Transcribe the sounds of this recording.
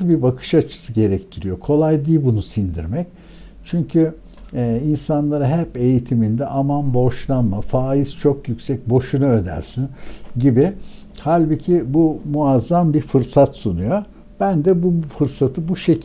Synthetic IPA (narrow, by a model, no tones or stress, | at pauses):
bibakʰɯ̥ʃat͡ʃʰɯ̥sɯɟe̞ɾɛct̪ʰiɾijo̞kʰo̞lˠajd̪iːbunusind̪ḭɾmɛc | t͡ʃʰyɲcʰyː | insanlˠaɾaɦɛpe̞jit̪ʰimind̪ɛʔamanbo̞ʃlˠanmafaːiz̥t͡ʃʰo̞kjycsɛc̚bo̞ʃunaø̞d̪æ̰ɾsinɟibi | halʲbɯcʰibumuazːambiɾfɯɾsat̪sunujo | b̥ænd̪ɛbufɯɾsat̪ʰɯbuʃe̞